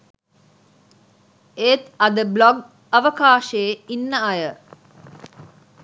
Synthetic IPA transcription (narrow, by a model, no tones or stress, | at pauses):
eːt̪ɐd̪əblɔɡ | ɐʋəkaːʃəeinːəɐjə